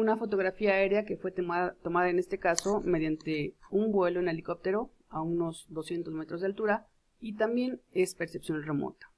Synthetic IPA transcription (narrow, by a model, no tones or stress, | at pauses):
unafo̞t̪̬o̞ɣɾafiaːe̞ɾeake̞fwe̞at̪o̞maðaene̞st̪ekaso̞me̞ðjant̪e̞umbwe̞loene̞likop̚t̪e̞ɾo̞ | auno̞zðo̞sje̞nt̪o̞zme̞t̪ɾo̞zðalt̪uɾa | it̪ambje̞ne̞spe̞ɾsepsjo̞nre̞mo̰t̪ḁ